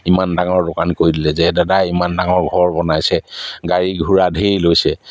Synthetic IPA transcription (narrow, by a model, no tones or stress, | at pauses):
imandaŋɔɹdokankoɹidilɛzɛdadaimandaŋɔɹɡʱɔɹbɔnajsɛɡaɹiɡʱuɹadʱejlojsɛ